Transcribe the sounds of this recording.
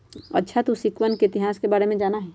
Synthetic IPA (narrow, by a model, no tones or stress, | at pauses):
ə̰tːʃʰat̪usɪkʋənkeɪt̪ɪɦaːskebaːɾemẽd͡ʒaːnaɦɛː